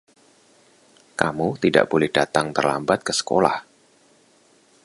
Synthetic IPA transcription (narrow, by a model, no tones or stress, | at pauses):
kamut̪ida̰ʔb̥olɛhd̥at̪aŋt̪ərla̰mbat̪̚kəsə̥ko̰la̰h